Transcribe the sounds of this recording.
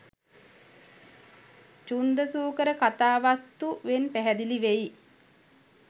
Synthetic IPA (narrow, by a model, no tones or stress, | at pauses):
t͡ʃund̪əsuːkəɾəkat̪aːʋast̪uʋenpæɦæd̪iliʋej